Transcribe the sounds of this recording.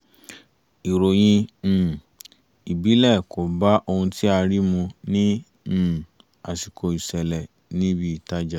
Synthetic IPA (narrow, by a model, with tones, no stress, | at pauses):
i˨ɾo˨j̃ĩ˧˨ | i˨bi˨˦lɛ˦˨ko˨ba˦ʔo˧hũ˧ti˦a˧ɾi˦mũ˧nĩ˦˨ | a˨si˨kʰo˧˨i˨sɛ˨lɛ˨ | nĩ˦bi˦˨ta˦d͡ʒa˦˨